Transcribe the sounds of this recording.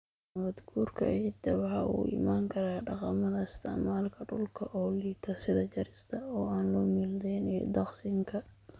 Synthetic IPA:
wɐd̪ɡuːrkʰɐ̰ʕit̪ʰːɐwɑħɑʔṵːɪ̰maːŋkʰɐɾaːɖɑqɑmɐðɐɪst̪ʰɛ̰maːlkʰɐɖʊlkʰɐʔɔːliːt̪ʰɐsɪðɐd͡ʒɐɾɪst̪ʰɐɔːaːnlɔːmɪld̪ɛːnɛ̰d̪ɐqsɪŋkʰɐ

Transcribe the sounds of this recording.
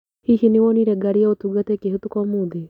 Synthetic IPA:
hihiniwɔniɾɛɡaɾijaot̪uɡat̪ɛkiɦut̪ukɔmud̪i

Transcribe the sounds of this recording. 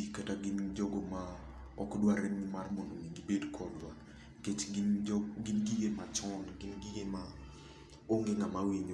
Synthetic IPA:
kataɡɪnd͡ʒɔɡɔma | ɔkdwaɾɛŋɪmarmɔndoniɡibedkʰɔdwa | ket͡ʃ | ɡɪnɡiɡemat͡ʃɔnɡɪnɡiɡema | oŋɡeŋamawiɲ

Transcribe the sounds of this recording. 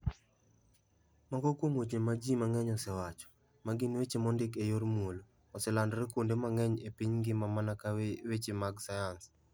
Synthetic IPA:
mɔɡɔkwoŋwot͡ʃemad͡ʒimaŋɛɲɔsɛwat͡ʃɔ̥ | maɡɪnwet͡ʃemɔndɪkejoɾmwoloː | sɛlandɔɾɛkwondemaŋɛɲepiɲɡɪmamanakawet͡ʃemaɡsajans

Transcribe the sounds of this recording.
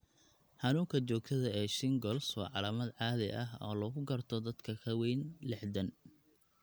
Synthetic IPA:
ħɑnuːŋkʰɐt͡ʃɔːɡ̚t̪ʰɐðɐɛːʃɪŋɡɔlswɑ̰ːʕɑlaːmɐd̪ʕɑːðɛ̰jʔɐɦɔ̰ːlɔːɣʊɡɐrt̪ʰɔd̪ɐd̪kʰɐkʰɐwɛjnlɪħd̪ɐn

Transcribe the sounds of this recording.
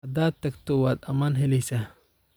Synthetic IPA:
ɐd̪aːd̪̚t̪ʰːɐɡt̪ʰɔwaːd̪ɐmaːnɦɛlɛjsaː

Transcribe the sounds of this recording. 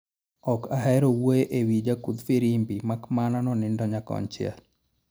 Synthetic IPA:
ɔkaɦɛɾowoeʔewid͡ʒakud̪fiɾimbimakmananɔnɪndɔɲakɔ̰nt͡ʃɪɛ̰l

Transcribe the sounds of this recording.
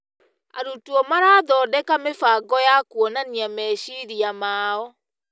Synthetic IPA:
a̰ɾutuɔmaɾaːðɔːdɛkamefaɡɔjakwɔnaniamɛɕiɾiamaːɔ

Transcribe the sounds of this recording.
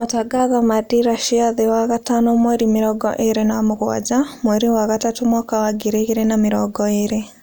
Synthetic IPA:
mataɡaɣamadiɾaʃiaðewaɣatanɔmwɛɾimɪɾɔɡɔ̰ʔeɾenamoɣwa̰d͡ʒamwɛɾiwaɣatatomwakawaɡiɾeɣeɾenamɪɾɔɡɔeɾe

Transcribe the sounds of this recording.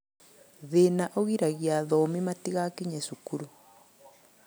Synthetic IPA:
ðenaʔoɣiɾaɣjaðɔmimatiɣakiɲɛsukuɾu

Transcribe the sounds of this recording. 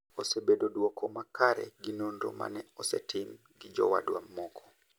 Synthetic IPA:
osebedodwɔkɔmakaɾɛ̰ɡinondo̰ma̰nɛɔsɛtɪm | ɡɪd͡ʒɔ̰wa̰dwamːɔkʰɔ̥

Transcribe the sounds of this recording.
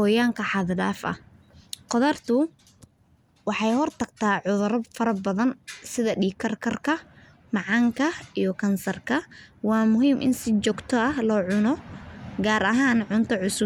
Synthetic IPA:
hɔːjaːŋkʰɐħɑðdaːfɐ̰h | qɔðɐrt̪ʰʊ | wɑħɑjhɔrt̪ʰɐɡt̪ʰaːʕʊðʊɾɐbfɐɾɐbɐðɐnsɪðɐɖiːkʰɐrkʰɐrkʰɐ | mɑʕɑŋkʰɐijɞkʰɐnsɐrkʰɐwɑːmʊɦiːmʔɪ̰nsɪt͡ʃɔːɡt̪ʰɔɐhlɔːʕʊnɔɡaːɾʔɐɦaːnʕʊnt̪ʰɐʕʊsʊ

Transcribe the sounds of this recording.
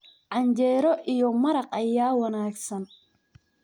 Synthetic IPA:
ʕɑɲt͡ʃɛːɾɔʔijɔmɐɾɑqɐjaːwɐnaːɡsɐn

